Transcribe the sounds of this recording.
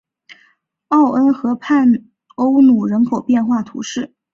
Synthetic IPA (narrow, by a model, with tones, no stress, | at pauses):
ɑ˥˩ʊʔə˥nxɤ˧˥pʰa˥˩n | o˥ʊnu˨˩ɻə˧˥nkʰo˨˩ʊpjɛ˥˧nxwa˥˩t̪ʰṵ˧˥ʂɻ̩˥˩